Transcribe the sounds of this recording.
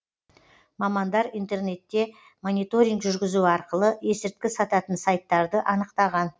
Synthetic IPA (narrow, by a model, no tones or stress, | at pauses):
mɑmɑnd̪ɑɾint̪e̞rne̞t̪ːe̞ | mo̞nʲijt̪o̞ɾʲiŋɡʒʏɾɡʲɪzuɑɾqəlˠəe̞sɪɾt̪kʲɪsɑt̪ɑt̪ənsɑjt̪ːɑɾd̪əʔɑnəqt̪ɑʁɑn